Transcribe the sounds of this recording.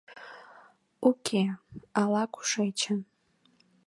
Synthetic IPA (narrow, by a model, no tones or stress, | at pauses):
ukʲʰealakʷʰʼu̥ʂejt͡ʃʰan